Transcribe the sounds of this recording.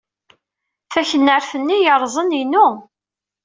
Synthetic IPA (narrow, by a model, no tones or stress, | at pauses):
fæçənːəɾfənːijəɾˤzˤəninu